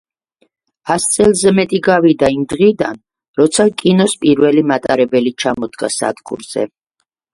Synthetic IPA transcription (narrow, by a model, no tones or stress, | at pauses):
ast̪sʼɛlˠzɛmɛt̪ʼiɡavid̪aimd̪ʁid̪an | ɾɔt̪sʰakʼinɔspʼiɾvɛlimat̪ʼaɾɛbɛlit͡ʃʰamɔd̪ɡa̰sa̰d̪ɡṵɾz̥ɛ̰